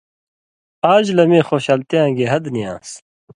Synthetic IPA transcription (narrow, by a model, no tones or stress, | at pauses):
aːd͡ʑlɐmẽːxoːɕaːlt̪eãːɡeɦɐd̪nijã̰ːs